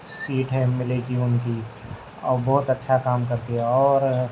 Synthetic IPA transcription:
siːʈɦɛ̃mɪleɡiʊnki | ɔ̰ːbɔɦʊt̪ɐtːʃʰakaːmkɐɾt̪iɦɛ̃ɔːɾ

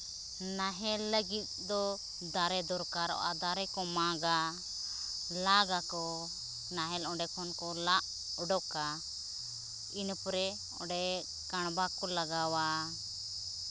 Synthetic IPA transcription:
naɦɛlːəɡit̪̚ˀd̪ɔ | d̪aɾɛd̪ɔɾkaɾɔ̰ʔa̰d̪aɾɛkɔmaɡa | laɡakɔ | naɦɛlɔ̃ɖɛkʰɔnkɔlaʔ | ɔɖɔka | inpɾɛ | ɔ̃ɖɛ | kaɽ̃bakɔlaɡawa

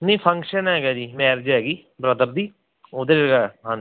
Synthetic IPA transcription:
nĩːpʰə̃ŋkʃənɦɛːɡaːd͡ʒiːmɛːɾd͡ʒɦɛːɡiː | bɾəd̪əɾd̪iː | oːd̪eɡaɦã

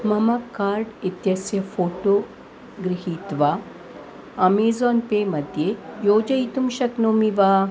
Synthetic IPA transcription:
mɐmɐkːaːɾɖit̪jɐsjɐfʰoːʈoː | ɡɾiɦiːt̪ʋaː | ɐmeːzɔːnpeːmɐd̪jeːjoːd͡ʒɐit̪umʃɐknoːmiʋaː

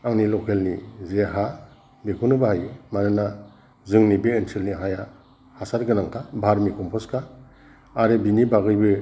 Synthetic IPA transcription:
aŋnilɔkʰelnizeɦa | bekʰunɯbahajmanɯna | zɯŋnibeːntʰelniɦaja | hasaɾɡɯnaŋkʰabʱaɾmikʰɔmpʰɔskʰaː | ɾebinibaɡɯjbɯ

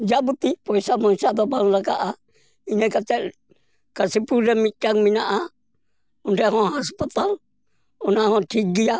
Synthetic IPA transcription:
d͡ʒabut̪ipɔjsamɔsad̪ɔbaŋlakaʔa | inɛkat͡ʃɛʔ | kasipuɾɛmit͡ʃaŋminaʔa | ɔndɛɦɔ̃ɦaspat̪al | ɔnaɦɔ̃ʈʰiɡija

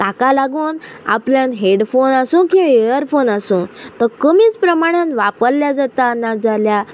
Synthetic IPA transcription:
t̪akalaɡuːn | a̰pljãnɦeɽfonasũkĩejəɾfonasũːt̪əkəmiːt͡spɾəmaɽ̃anʋapəɾljad͡zat̪aːnːad͡zalja

